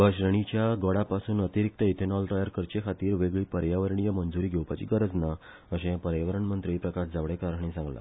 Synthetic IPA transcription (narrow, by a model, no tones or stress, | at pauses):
ʋəɕɾəɳ̃it͡ɕjaɡɔɽapasuːnət̪iɾik̚t̪əit̪ʰenɔlt̪ajəɾkəɾt͡ɕekʰat̪iːɾʋeɡɭiːpəɾjaʋəɾɳijamənd͡zuɾiːɡʱewpat͡ɕḭːɡəɾəd͡zna | əɕẽjapəɾjaʋəɾəɳmənt̪ɾiipɾəkasd͡zaʋɽekaɾaɳ̃ĩsãŋɡla̰